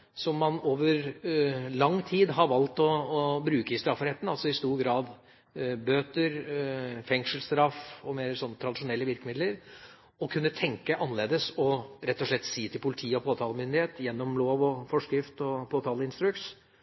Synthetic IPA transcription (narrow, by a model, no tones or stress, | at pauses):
sɔmːɑnoːʋəɾ | lɑŋːt̪ʰiːd̪ɦɑɾʋɑlt̪ɔːbɾʉːkəɪst̪ɾɑfːəɾheːt̪ən̩ɑlsɔɪst̪uːɾɡɾɑːd̪ | bøːt̪əɾfɛŋʂəlst̪ɾɑfɔmeːɾsɔnːət̪ʰɾɑd̪ɪʂʊnɛlːəʋɪɾkəmɪd̪ləɾ | ɔkʰʉnːət̪ʰɛŋkəʔɑnəleːd̪əsɔɾɛt̪ːɔʂɭɛt̪ːsiːt̪ʰɪlpʰʊlɪt̪ʰiːɔpʰoːt̪ʰɑːləmʏnd̪ɪheːt̪jɛnːɔmloːʋɔfɔʂkɾɪft̪ɔpʰoːt̪ʰɑːləɪnst̪ɾʉks